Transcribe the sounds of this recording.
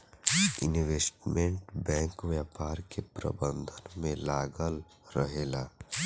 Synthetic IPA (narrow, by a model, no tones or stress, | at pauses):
ɪ̰niʋeːsʈmẽɳʈbɛ̃ːŋkʋjaːpaːɾkepɾə̰bə̃nd̪ʱənmẽlaːɡəl | ɾəɦeːlaː